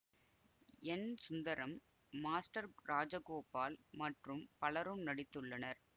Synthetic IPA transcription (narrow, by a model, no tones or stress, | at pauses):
ɛnsʊnd̪ɐɾɐmː | aːsʈɐɾɾaːd͡ʒɐkoːpaːlmɐʈrɯmpɐɭɐɾɯmnɐɽɪt̪ːɯɭːɐnɐɾ